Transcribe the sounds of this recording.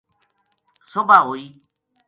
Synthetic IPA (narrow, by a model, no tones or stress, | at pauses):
sobʱaːɦoːiː